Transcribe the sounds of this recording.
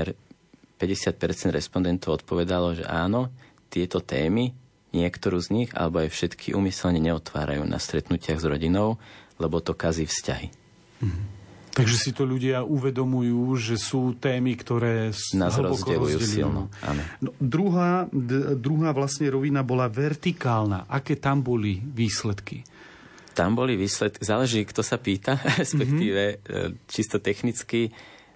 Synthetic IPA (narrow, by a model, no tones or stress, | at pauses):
ɛɾ | pɛɟɛsɪat̪̚pɛɾt͡sɛnd̪ɾɛspɔnd̪ɛnt̪ɔʊɔt̪pɔʋɛd̪alɔʒɛ̰ʔaːnɔ | t̪ɪɛt̪ɔt̪ɛːmi | ɲɪɛkt̪ɔɾuːzɲiɣa̰lɛbɔajfʃɛt̪kʰiʔumisɛlɲɛɲɛɔt̪ʋa̰ːɾa̰jṵːna̰st̪ɾɛt̪nucɪaɣzɾɔɟinɔʊlɛbɔt̪ɔkaziːfsca̰ɦi | ɦ̩t̪aɡʒɛsit̪ɔʎuɟɪauʋɛd̪ɔmujuːʒɛsuːt̪ɛːmikt̪ɔɾɛːsnazɦlɾɔbɔzkɔɛɾlɔṵjṵːɟɛliḭlnɔʔa̰nɔnɔd̪ɾuɦaːd̪ɾuɦaːʋlasɲɛɾɔʋinabɔlaʋɛɾt̪ikaːlna̰ːʔakɛːt̪ambɔliʋiːslɛt̪kḭ | t̪ambɔliʋiːslɛt̪kizaːlɛʒiːkt̪ɔsapiːt̪aɾɛspɛkt̪iːʋɛt͡ʃist̪ɔt̪ɛxnit͡ski